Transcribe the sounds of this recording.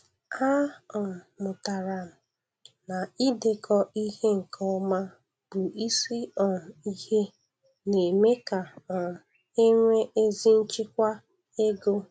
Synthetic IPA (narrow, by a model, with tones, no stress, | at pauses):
a˦ɔ˨mʊ˨ta˨ɾa˨m̩˨ | na˨i˦de˨kʰɔ˦i˦ɦe˦ŋ̩˨kʰɔ˦ma˦ | b̥ʊ˨i˦si˦ɔ˨n˨i˦he˦ | ne˨me˦ka˨ɔ˨ | e˦ŋʷe˦ʔe˦zi˦n̩˦t͡ʃɪ˦kʷa˦ | e˦ɡo˦